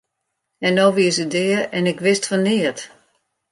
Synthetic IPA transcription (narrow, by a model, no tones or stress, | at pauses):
ɛnoːʋiəsədɪːəɛnɪkʋɪstfɔniət